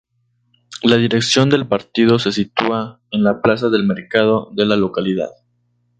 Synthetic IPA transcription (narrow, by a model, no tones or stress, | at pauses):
laðiɾe̞ksjo̞nd̪e̞lpaɾt̪ið̞o̞se̞sit̪ua | enlaplas̬aðe̞lme̞ɾkað̞o̞ðe̞lalo̞kaliða̰ð